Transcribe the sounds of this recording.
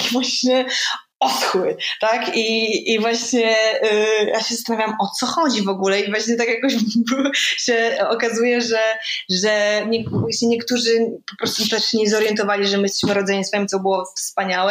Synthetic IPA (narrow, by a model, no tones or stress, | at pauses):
vwaɕɲɛ | ɔt̪xwɘt̪akiivwaɕɲɛ | jaɕɛzast̪anavʲjawmʔɔt̪sɔxɔd͡ʑivɔɡulɛivwaɕɲɛt̪akjakɔʑbɕɛɔkazujɛʐɛʐɛɲɛvwaɕɲɛɲɛkt̪uʐɘpɔpɾɔst̪ut̪ɛʂɲɛzɔɾjɛnt̪ɔvalʲiʐɛmɘjst̪ɛ̥ɕmɘɾɔd̪zɛɲɛsfamt̪ɔbɨwɔfspaɲawɛ